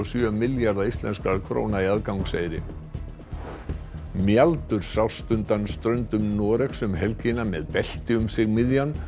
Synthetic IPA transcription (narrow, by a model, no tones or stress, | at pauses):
ɔsjœmɪljaɾðaist̪lɛ̰nskaɾkʰɾo̰ːwnaiaðkawŋkseːjɾɪ̰ | mjalt̪ʏɾ̥saw̥st̪ʏnt̪anst̪ɾœɥnt̪ʏmnɔːɾɛxsʏmɦɛlcɪnamɛðpɛl̥t̪ɪʏmsɪɣmɪðjan